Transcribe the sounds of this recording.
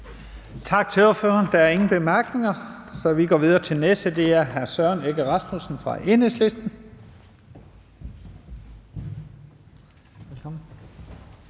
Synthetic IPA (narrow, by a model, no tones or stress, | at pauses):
t͡sʰɑ̈ɡ̥̚t͡sʰe̝o̝ɐfø̰ːɐnd̥ɑæɐe̝ŋn̩b̥e̝mæɐɡ̥ne̝ŋɐsɒ̽ʋiɡ̥ɒːʋið̞ˠɐt͡sʰe̝lnesd̥əd̥e̝æɐɦæɐsɶɐneɡ̥əʁɑ̈smusn̩fʁɑ̈ʔe̝nesle̝sd̥n̩ | elkʰɒmn̩